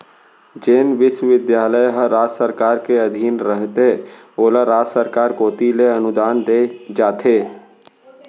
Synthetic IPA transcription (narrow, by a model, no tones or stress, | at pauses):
d͡ʒeːnʋɪʃwəʋɪd̪jaːləjɦəɾaːd͡ʒsəɾkaːɾkeɐd̪ʱiːnɾəɦt̪e | oːlaɾaːd͡ʒsəɾkaːɾkoːt̪ileɐnʊd̪aːnd̪eːd͡ʒaːt̪ʰeː